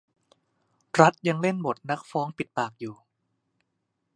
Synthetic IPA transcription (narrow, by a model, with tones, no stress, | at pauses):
ɾa˦˥t̪̚ja˧ŋle˥˩nbo˨˩t̪̚na˦˥k̚fɔː˦˥ŋpi˨˩t̪̚paː˨˩k̚juː˨˩